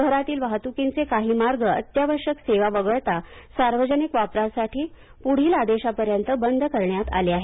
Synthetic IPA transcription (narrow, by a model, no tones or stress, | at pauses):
ɡʱɾat̪iːlʋaɦt̪ukint͡sekaɦiːmaɾɡəə̰t̪jaʋəɾɕəkseʋaʋəɡəɭt̪asaɾʋəd͡ʑənikʋapɾasaʈʰiː | puɽ̤iːlad̪eɕapəɾjənt̪əbənd̪ʱkəɾɳjat̪a̰leaɦe